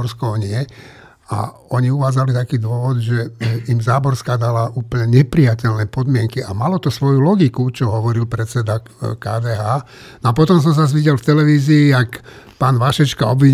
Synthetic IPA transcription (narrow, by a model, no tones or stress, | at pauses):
ɾskɔɲɪɛ | a̰ɔɲiuʋaːd͡zalit̪akiːd̪ʊɔʋɔd̪ʒɛimzaːbɔɾskad̪alauːplɲɛɲɛpɾijacɛlnɛpɔd̪mɪɛŋkiamalɔt̪ɔsʋɔjulɔɡikut͡ʃɔɦɔʋɔɾilpɾɛt͡sɛd̪a | kaːd̪ɛːɦaː | nɔap̬ɔt̪ɔms̬ɔmsazʋiɟɛlft̪ɛlɛʋiːziːakpaːnʋaʃɛt͡ʃkaɔbʋiɲ